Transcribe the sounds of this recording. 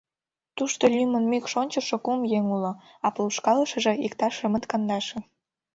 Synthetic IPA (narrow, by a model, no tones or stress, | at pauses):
t̪uʃt̪olʲymə̆nmykʃonʲt͡ɕəʃĕkumjeŋulŏ | ɑpluʃkɑləʃə̆ʒĕikt̪ɑʃə̆mə̆t̪kɑnd̪ɑʃĕ